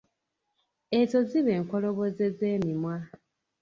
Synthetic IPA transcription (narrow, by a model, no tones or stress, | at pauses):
ezoziβe̞ːŋkoloβozeze̞ːmimwa